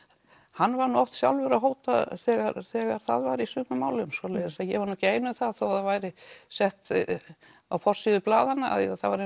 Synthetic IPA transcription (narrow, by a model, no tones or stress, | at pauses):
hanːvaɾnuɔwht̪sja̰wlvʏɾaɦoːwt̪a̰θɛːɣaɾθɛːɣaɾ̥θa̰ðvajɾisʏːpnʏmaːwlʏmsɔlejðɪsajɛvaɾnɔceːjnʏmθaðθawhaðavajɾɪsɛht̪ | awfɔr̥siːðʏplaːðanːaa̰ðiaθavaɾe